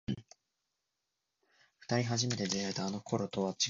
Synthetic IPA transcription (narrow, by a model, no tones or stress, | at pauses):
ɸɯ̟̥t̪aɾʲiɦaʑime̞t̪e̞d̪eɾaet̪aːno̞kʰo̞ɾo̞t̪o̞βat͡ɕi